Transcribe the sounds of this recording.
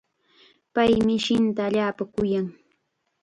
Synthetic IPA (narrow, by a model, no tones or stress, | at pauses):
pajmɪʃɪnt̪aːʎaːpakʊjaŋ